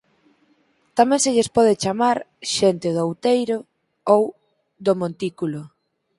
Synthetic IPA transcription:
t̪amɛ̃nseʎespɔð̞et͡ʃamaɾʃent̪ɪðowt̪ejɾʊ | ow | ðomõnt̪ikulʊ

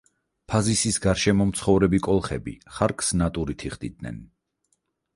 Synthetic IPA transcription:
pʰazisisɡaɾʃɛmɔmt̪sʰχɔvɾɛbikʼɔlˠχɛbḭχaɾkʼsnat̪ʼuɾit̪ʰiχd̪id̪̚nɛ̰n

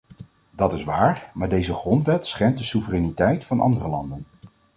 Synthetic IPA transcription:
dɑtɪsʋaːɹmaːɹdejzəχrɔntʋɛtsχɛnt̚dəsuvərɛnitɛjtfɑnʔɑ̰ndərəlɑ̰ndən

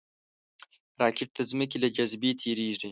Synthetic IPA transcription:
ɾaːkʲɪʈ̚t̪ʰɐzmək̬ilɐd͡ʒazbeːt̪ʰeːɾeːʒi

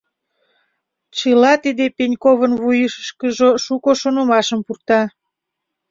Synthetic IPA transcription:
t͡ɕəlɑt̪id̪epenʲkoβənβujəʃəʃkəʒoʃukoʃonŏmɑʃəmpurt̪ɑ

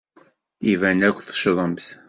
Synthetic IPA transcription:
ivænækʷːθə̥ʃðˤəmθ

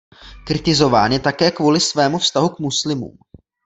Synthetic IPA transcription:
kɾɪt̪ɪzo̞vaːnjɛt̪akɛːkvuːlɪsvɛːmufst̪aɦukmuslɪmṵːm

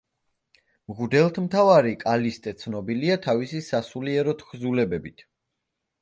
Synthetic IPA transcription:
mʁud̪ɛlˠt̪ʰmt̪ʰavaɾikʼalist̪ʼɛt̪sʰnɔbiliat̪ʰavisisasuliɛɾɔt̪ʰkʰzulɛbɛbit̪ʰ

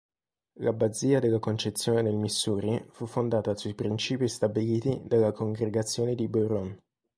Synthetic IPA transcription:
lʔabad̪ziːad̪elːakont͡ʃet̪sːjoːned̪elmisːuːɾifufːond̪aːt̪asuipɾint͡ʃiːpist̪abiliːt̪id̪alːakoŋɡɾeɡat̪sːjoːned̪ibeɾon

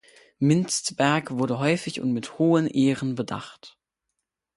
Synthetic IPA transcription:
mɪnstb̥ɛɐkv̥ʊɐɾəɦɔʏfɪçʊ̰ntmɪthoːənʔeːʁənbəda̰χt

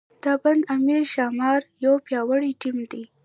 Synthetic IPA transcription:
d̪̥aband̪amiɾʃɑmɑɾjawpjɑwəɽiʈimd̪i

